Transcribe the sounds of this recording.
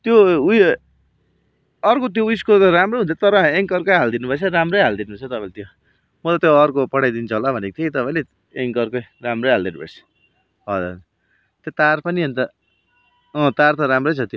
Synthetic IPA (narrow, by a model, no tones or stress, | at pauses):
t̪jouj | ʌrkot̪̬joujskot̪ʌɾamroɦunt̪ʰt̪ʌɾʌeŋkʌrkʌjɦald̪inubʌt͡sʰʌɾamrʌjɦald̪inubʌt͡sʰʌt̪ʌpãĩlet̪jo | mʌt̪at̪joʌrkopʌɽajd̪int͡sʰʌɦolabʱʌnekot̪ʰekit̪ʌpaĩle | eŋkʌrkʌjramrʌjɦald̪inubʌ̰jt͡sʰʌ̥ | ɦʌ̰ | t̪jot̪arpʌniʌnt̪ʌ | ʌ̃t̪art̪ʌɾamrʌjt͡sʰʌt̪jo